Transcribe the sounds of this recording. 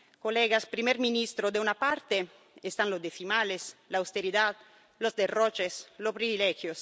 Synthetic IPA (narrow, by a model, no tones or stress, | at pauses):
koleɡaspɾimɛɾminist̪ɾod̪eunapaɾt̪e | est̪anlozd̪eθimaleslaːwst̪eɾiðad̪ | lozd̪erot͡ʃeslopɾivilɛxjos